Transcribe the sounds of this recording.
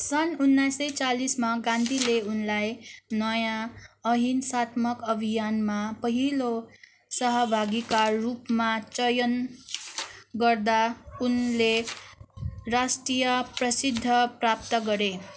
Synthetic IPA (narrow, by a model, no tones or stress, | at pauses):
sʌnunːajsʌjt͡salismaɡãnd̪ʱileunlajnʌjãʌɦinsat̪mʌkʌbʱijanmapʌɦilo | sʌɦʌbʱaɡikarupmat͡sʌjʌn | ɡʌrd̪aunle | rasʈrijʌprʌsid̪ʱːʌprap̚t̪ʌɡʌɾe